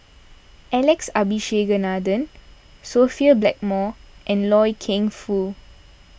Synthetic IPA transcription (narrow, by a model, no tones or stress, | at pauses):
ʔɛlɛksabiʃeɡənadə̃n | sofiəblɛk̚mɔʔɛ̃nlɔjkʰẽŋfu